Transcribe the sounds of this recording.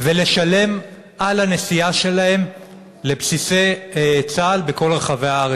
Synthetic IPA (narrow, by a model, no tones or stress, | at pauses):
vele̞ʃale̞m | ʔalhane̞siaʃe̞lahe̞m | lepsise̞jt͡saːlbeko̞lʁeχave̞aaʁ